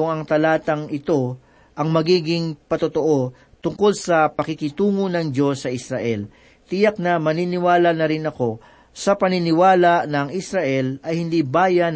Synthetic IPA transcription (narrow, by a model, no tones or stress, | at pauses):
ʊŋɐŋt̪ɐlaːt̪ɐŋɪt̪o̞ | ʔɐŋmɐɡiːɡɪŋpɐt̪ʊt̪oʔo̞ | t̪ʊŋko̞lsɐpɐkɪkɪt̪uːŋonɐŋd͡ʒo̞sːɐʔɪsɾaʔɛl | t̪ɪjɐk̚nɐmɐninɪwaːlɐnɐɾɪnɐko̞ | sɐpɐnɪnɪwaːlɐʔnɐŋɪsɾɐʔɛlɐjhɪnd̪iːbaːjɐn